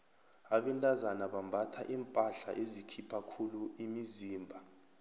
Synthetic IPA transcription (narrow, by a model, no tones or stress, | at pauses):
aɓɛntʼazanaɓambʱatʰaʔiːmpʼaɬa̰ʔezikʰipʰakʰuluimiziːmbʱa